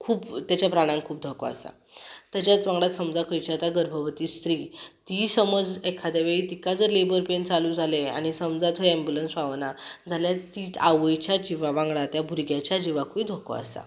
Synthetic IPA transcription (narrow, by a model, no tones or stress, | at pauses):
kʰuːpt̪jat͡ɕjapɾaɽ̃ãŋɡkʰuːp̚d̪ʱɔkoa̰sa̰ | t̪jat͡ɕjat͡sʋãŋɡɭat̪səmd͡zakʰəjt͡ɕat̪aɡəɾbʱəʋt̪iːst̪ɾiːt̪isəməd͡zekʰːad̪jaʋeɭiːt̪ikad͡zəɾlebəɾpent͡salũːd͡zʱalea̰ɽ̃isəmd͡zat̪ɦəɛ̃mbjulənsʋaʋnad͡zʱaljat̪iaʋəjt͡ɕjad͡ʑiʋaʋãŋɡɭat̪jabʱuɾɡjat͡ɕjad͡ʑiʋakʰuid̪ʱokɔ̰a̰sa̰